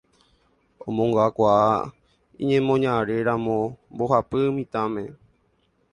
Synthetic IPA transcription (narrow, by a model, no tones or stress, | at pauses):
õmõŋɡaakʷaa | ḭ̃ɲẽmõɲãɾe̞ɾãmõmboɦapɨmĩt̪ãmẽ̞